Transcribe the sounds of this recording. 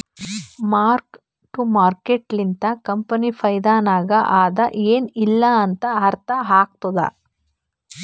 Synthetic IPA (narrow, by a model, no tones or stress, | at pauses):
maːɾk | ʈumaːɾkeʈlint̪ɐkɐmpɐnipʰɐjd̪aːnaːɡɐʔaːd̪ɐʔeːnilːɐːnt̪ɐɦɐɾt̪ɐɦaːk̚t̪od̪ɐ̰